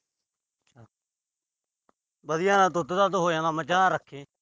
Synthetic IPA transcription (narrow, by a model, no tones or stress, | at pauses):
t͡ʃʰa | bəd̪ɪjãːnãːd̪ʊd̪d̪aːd̪ɦoːjãːnaːməd͡ʒaːɾəkʰːeː